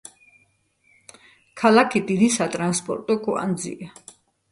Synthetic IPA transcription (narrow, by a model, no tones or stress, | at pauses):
kʰalakʰid̪inisat̪ʼɾanspʼɔ̰ɾt̪ʼɔkʰɔa̰nd̪zḭʔa